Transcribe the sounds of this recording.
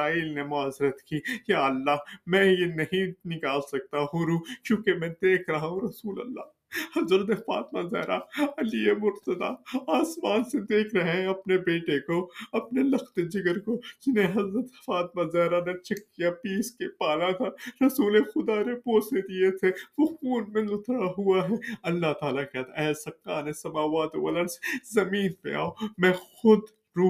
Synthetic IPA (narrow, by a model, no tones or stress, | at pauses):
aːiːlnemʊaːzɪɾət̪kijaːɐlːaːɦmɛ̃ːjenɐɦĩnɪkaːlsɐk̚t̪aɦʊɾuːkjõːkemɛ̃ːd̪eːkʰɾɐɦaɦũɾɐsuːlɐ̰lːa̰ː | hɐzɾət̪ɐfa̰ːt̪mãzɛ̰ːɾʔaɐliemʊɾt̪əd̪a̰ːaːsmaːnsed̪eːkʰɾɐɦẽɐpnebeːʈekoɐpnelɐxt̪ed͡ʒɪɡəɾkod͡ʒɪnẽɦɐzɾət̪ɦɐfaːt̪̚mazɛːɾanet͡ʃɐkːijapiːskepaːlakaɾɐsuːlexʊd̪aɾepoːsed̪iet̪ʰeʋoxuːnmẽlʊt̪ʰɾaɦʊaɦɛɐlːaɦt̪aːlakjaːt̪ɛːɦlsɐkːaːnesɐmaːʋaːt̪oʋɐ̰lənse̥zɐmiːnpḛa̰ːomɛ̃ːxʊd̪ | ɾuː